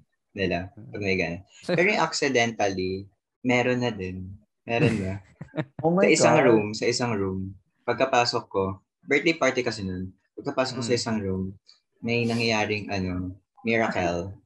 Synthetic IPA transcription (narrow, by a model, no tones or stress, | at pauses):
nɪlɐpɐɡ̚mɐjɡaːnɐt̪̚ɛɾoɪŋʔɐksɪd̪ɛnt̪ɐli | mɛːɾonːɐd̪ɛn | mɛːɾonbɐ | ɐʔɪsaŋɹumsɐʔɪsaŋɹum | pɐɡ̚kɐpaːsokːo̞ | bɛɹt̪̚lejpaɹt̪ɪkɐsɛnon | pɐɡ̚kɐpaːsok̚ːosɐʔɪsɐŋɹum | nɐjnɐŋjɐjaːɾɪŋʔɐno̞ | mɪɹɐkɛl